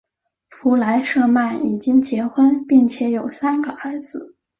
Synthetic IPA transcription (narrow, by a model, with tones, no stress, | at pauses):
fu˧˥la˧˥ɪʂɤ˥˧ma˥˩ni˨˩t͡ɕi˥ŋt͡ɕjɛ˧˥xwə˥npi˥˩ŋt͡ɕʰjɛ˧˥jo˨˩ʊsa˥nɡə˨ʔə˞˧˥d͡zɹ̩˧